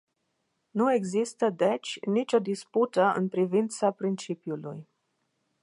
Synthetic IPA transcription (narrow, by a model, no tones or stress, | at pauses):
nue̞ɡzist̪əd̪et͡ʃʲnit͡ʃʲo̞d̪isput̪əɨ̰npɾivint̪sapɾint͡ʃipjuluj